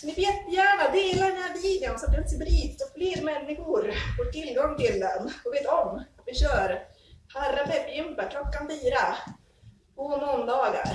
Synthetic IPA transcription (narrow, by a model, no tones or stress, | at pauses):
sɔnɪveːt̪bɪjæːɳad̪eːlaɖɛnhæːbiːd̪ənsat̪d̪ɛnsɪbɾiːt̪sɔfleːɾmɛnːɪɧʊɾɔɾt̪ɪlːɡɔŋt̪ɪlːənɔveːt̪ɔmat̪vɪɕœːɾ | haɾabɛbjɪmpːəkʰlɔkːanfiːɾa | ɔmɔnd̪ɑːɡa̰ɾ